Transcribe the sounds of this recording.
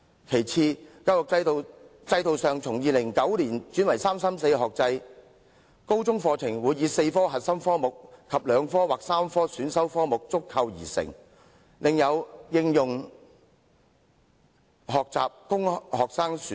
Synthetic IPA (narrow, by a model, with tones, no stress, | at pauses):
kʰe˨˩jt͡sʰiː˧kaː˧wjʊ˨k̚t͡sɐ˧jt͡sɐ˧jt̪o˨wsœː˨ŋt͡sʰʊ˨˩ŋjiː˨lɪ˨˩ŋkɐ˨˥wliː˨˩nt͡ʃyː˨˥nwɐ˨˩jsaː˥msaː˥mse˧jɦɔː˨k̚t͡sɐ˧j | ko˥wt͡sʊ˥ŋfɔː˧t͡sʰɪ˨˩ŋwuː˨˧jːiː˨˧se˧jfɔː˥ɦɐ˨t̚sɐ˥mfɔː˥mʊ˨k̚kʰɐ˨p̚lœː˨˧ŋfɔː˥waː˨˩k̚saː˥mfɔː˥syː˨˥nsɐ˥wfɔː˥mʊ˨k̚t͡sʊ˥kʰːɐ˧wjiː˨˩sɪ̰˨˩ŋ | lɪ˨ŋjɐ˨˧wjɪ˧ŋjʊ˨˩ŋ | ɦɔː˨k̚t͡sa̰ː˨p̚kʊ˥ŋhɔː˨k̚saː˥ŋs